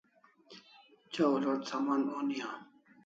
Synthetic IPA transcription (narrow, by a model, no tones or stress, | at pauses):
t͡ɕaolaːt̪saːmaːnoːnijãː